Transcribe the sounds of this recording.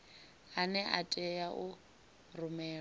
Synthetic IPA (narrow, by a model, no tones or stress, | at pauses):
anɛʔa̰tʼɛjaʔʊ | rʊmɛː